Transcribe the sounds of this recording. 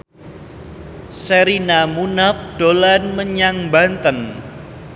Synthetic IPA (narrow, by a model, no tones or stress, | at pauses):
səɾinamunafɖ̥olanməɲaŋbant̪ən